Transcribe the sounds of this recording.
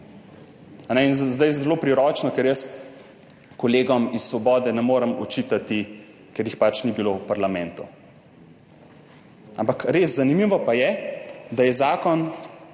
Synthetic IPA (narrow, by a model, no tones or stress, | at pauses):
anɛinzd̪ajzɛloːpɾiɾɔːt͡ʃnɔkɛɾjəs | kɔleːɡɔmisːʋɔbɔːd̪ɛnɛmoːɾəmɔ̰t͡ʃit̪at̪i | kɛɾjixpat͡ʃnibilowpaɾlamɛ̃nt̪u | ampakɾeːszːanimiʋɔpajɛd̪ajɛzaːkɔn